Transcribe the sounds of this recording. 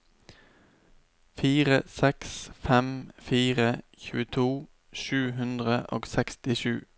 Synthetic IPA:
fiːʁəsɛksfɛmfiːʁəçʉːət̪ʰuː | ʃʉːɦʉnd̪ʁəʔo̰ːɡsɛkst̪ɪʃʉ̰ː

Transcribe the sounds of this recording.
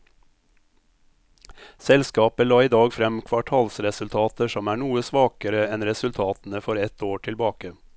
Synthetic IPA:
sɛlskɑːpəlɑːiːd̪ɑːɡfɾɛmkʰʋɑʈʰɑːlsɾɛsʉlt̪ʰɑːt̪əʃɔmæːɳuːəsʋɑːkəɾəɛnɾɛsʉlt̪ʰɑːt̪n̩əfɔɾɛt̪oːʈʰɪlbɑːkə

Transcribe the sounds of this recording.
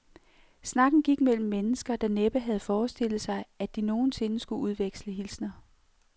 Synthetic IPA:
snɑ̈ɡ̥n̩ɡ̥iɡ̥mel̰m̩ːenəsɡ̥ɐd̥ɑ̈neb̥əɦæð̞̩ˠfɒːsd̥e̝l̰ð̩ˠsɑ̈ɪæd̥ino̝ːn̩se̝nəsɡ̥uʔuð̞ˠʋeɡ̥sləɦilsnɐ

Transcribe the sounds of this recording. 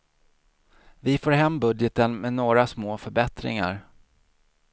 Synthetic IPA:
vɪfoːɾɦɛmːbɵd̪jət̪ənmɛnoːɾasmoːfœɾbɛt̪ɾɪ̰ŋa̰ɾ

